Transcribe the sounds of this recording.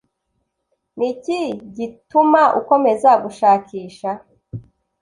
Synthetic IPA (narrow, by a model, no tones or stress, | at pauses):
niciɟitumaʔṵko̞me̞zaɡuʃaːciːʃa